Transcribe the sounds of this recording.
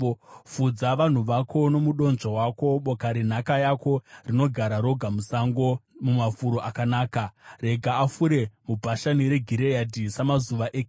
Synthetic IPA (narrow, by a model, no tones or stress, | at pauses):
fud͡zaʋan̤uʋakʰo̞no̞muɗo̞nʐawako̞ɓokaɾin̤akajako̞rino̞ɡʱaɾaɾo̞ɡʱamusaŋɡomumafuɾoʔakanaːkaɾe̞ɡʱaafuɾe̞mubʱaʃaniɾe̞ɡʱiɾejadʱisamazuʋaʔek